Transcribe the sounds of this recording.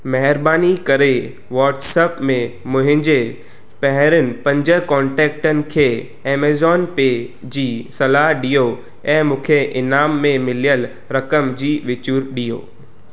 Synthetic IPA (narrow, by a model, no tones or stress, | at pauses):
mɐɦɪɾbaːnikɐɾe | ʋɔːʈseːpmẽmʊ̃ɦɪ̃ɲd͡ʑe | pɛɦɪɾənɪ̆pɐ̃ɲd͡ʑə̆kɔ̃ːɳʈɛːk̚ʈənɪ̆kʰeː | eːmeːzɔːnpeː | d͡ʑiːsɐlaːɦɗijo | ɛ̃ːmʊ̃ːkʰeʔɪnaːmːẽmɪlijəl | ɾɐkəmd͡ʑiːʋɪt͡ɕuɾɗijo̰ː